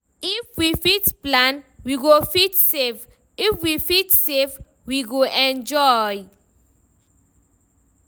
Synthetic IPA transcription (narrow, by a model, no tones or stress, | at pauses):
ifwifitplãnwiɡofitsev | ifwifitsev | wiɡoʔɛ̃nd͡ʒɔj